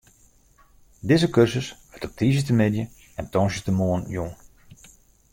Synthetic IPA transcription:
dɪzəkørzəsʋɛtɔp̚tʰiːzətəmɪdjə | ɛntɔnsjətəmoənjun

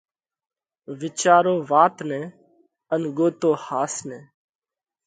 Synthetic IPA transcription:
ʋɪt͡ʃaːɾoːʋaːt̪nɛ̃ː | ənɡoːt̪oːhaːsnẽː

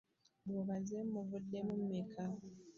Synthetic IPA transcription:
boβazemːuvudːemumːekʰa

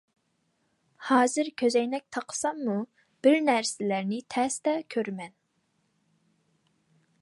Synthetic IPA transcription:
hɑːzɨɾkʲʰøzɛjnɛk̚ʲt̪ʰɑqʰə̥sɑmːu | b̥ɪɾnæɾsɪlæɾnɪt̪ʰɛst̪ɛkʲʰøɾmɛn

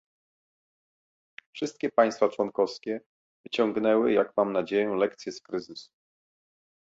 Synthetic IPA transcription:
fʂɘst̪̚kʲɛpaj̃st̪fat͡ʂwɔnkɔfskʲɛ | vɘt͡ɕɔ̃ŋɡnɛwɘjaɡmamnad͡ʑejɔ̃w̃lɛkt̪sʲjɛskɾɘzɘsu̥

